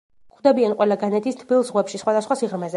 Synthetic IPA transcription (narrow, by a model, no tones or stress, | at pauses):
kʰd̪ɛbianqʼwɛlˠaɡanɛt̪ʰist̪ʰbilˠsʁwɛpʃisχwad̪asχwasiʁɾmɛzɛ